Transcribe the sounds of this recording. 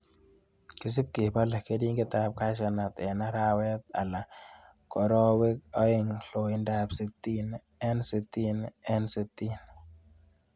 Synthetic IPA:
ki˨s̬i˦p̚ki˨pa˦la˨ke˦di˦ŋɡe˦t̪a˦p̚ka˦ʃa˨na˨t̪ɛ˨na˦ɾa˦wɛ˦t̪̚a̰˨la˨ | kɔ˨ɾɔ˦we˦k̚ɔ˦ɪ˦˨ŋɬo˨i˦nda˦pse˨t̪i˦n | ɛ˦nse˨t̪i˦nɛ˦nse˨t̪i˦n

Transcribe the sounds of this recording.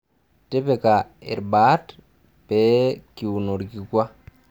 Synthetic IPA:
te˦pe˨ka˨ḛ˨ɾba˨˦t | pe˨˦ki˨wu˨no˨ɾɡi˨kʷwa˦

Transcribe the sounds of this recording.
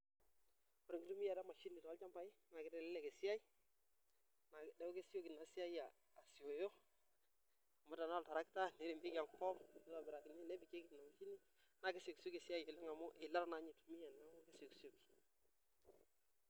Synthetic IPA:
o˨ɾɪ˨ŋɡɪ˦tu˦mi˦ja˨ɾa˦ma˨ʃi˦ni˨ta˨a˦lt͡ʃa˦mba˨˦ɪ˦na˨kɪ˦tɛ˨lɛ˦lɛ˨ke˨sɪ˦a˦i˦ | na˨dɛ˦o˦ke˦sjo˦ki˨na˨sɪ˦a˦jaː˨ | sɪ˨o˨jo˦ | a˨mʊ˦ta˨n˦ɔ˦lta˨ɾa˦kta˦ne˨˦ɾɪ˨mbɪ˦ka˨ŋpɔ˦mo˦ta˨bɪ˨ɾa˨kɪ˨ni˦nɛ˦bi˨ke˦kɪ˨tna˨ma˨ʃi˦ni˦ | na˨ke˦so˨kso˦ke˨sɪ˦a˦je˨lɪ˦ŋa˨mʊ˦ʔɪ˨la˦ɾna˨˦ɲi˨tu˨mi˦ja˨n˨a˦ŋʊ˦ke˦so˨kso˨ki̥˨

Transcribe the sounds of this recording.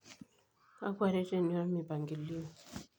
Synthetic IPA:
a̰˦kwa˦˨ɾɛ˦te˦˨ni˦wa˦mi˨ba˨ŋɡi˨li˦ɔ˨

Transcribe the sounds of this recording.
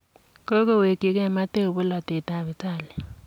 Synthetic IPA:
ko˦ko˦we˨ki˨kɛ˦˨ma˦te˦o˨bʊ˦la˨te˨ta˦˨βɪ˨ta˦˨lɪ˨

